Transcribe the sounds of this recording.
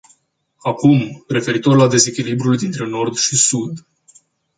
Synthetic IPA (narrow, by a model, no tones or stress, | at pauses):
akumre̞fe̞ɾit̪o̞rlad̪e̞ze̞kʲilibɾuld̪int̪ɾe̞no̞rd̪ʃisud̪